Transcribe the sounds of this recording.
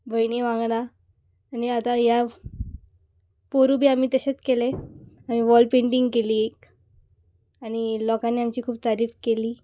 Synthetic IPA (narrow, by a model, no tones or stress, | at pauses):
bəjniʋãŋɡɽ̃aː | niat̪aɦja | poɾubʱiːamiːt̪əɕet͡skeleam̤iʋɔlpẽɳʈiŋɡkeliːek | aɽ̃ilɔkãnːiːamt͡ɕiːkʰuːb̚t̪aɾiːfkeliː